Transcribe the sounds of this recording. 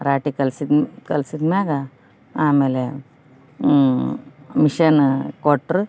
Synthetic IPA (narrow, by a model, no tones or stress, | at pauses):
ɾaːʈikɐlsid̪kɐlsid̪maɡa | amele | miʃɐnkoʈɾ